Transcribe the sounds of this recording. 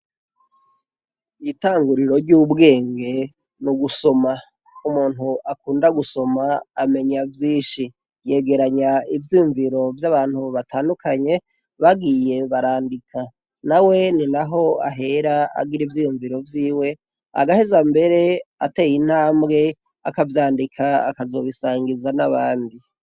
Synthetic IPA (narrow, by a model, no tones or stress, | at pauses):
itaːŋɡuɾiɾo̞ɾɟuːbɡe̞ːŋɡe̞ | nuɡuso̞ma | umuːn̥uʔakuːndaɡuso̞maːme̞ɲavjiːʃi | je̞ɡe̞ɾaɲaivjijuɱviɾo̞vjaβaːn̥huβatʰaːndukʰaɲe̞ | βaɡije̞βaɾaːndikʰa | nawe̞ninaɦo̞a̰ɦe̞ɾaa̰ɡiɾivjijuɱviɾo̞vjiːwe̞ | a̰ɡahezambe̞ɾe̞ate̞ːjin̥haːmbɡe̞ | a̰kavjaːndikʰaa̰kazo̞βisaːŋɡizanaβaːndi